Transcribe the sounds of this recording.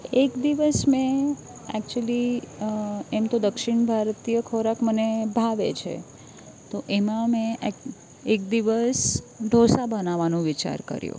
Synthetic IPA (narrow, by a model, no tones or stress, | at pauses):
ekd̪iʋəsmẽ | ɛ̰k̚t͡ʃuəli | emt̪od̪əkʃɪɳbʱaɾt̪ijəkʰoɾakmənebʱaʋḛt͡ʃʰḛ | t̪oʔemãmẽ | ekd̪iʋəsɖ̪ʱosabənaʋanũʋit͡ʃa̰ɾkə̰ɾjṵ̃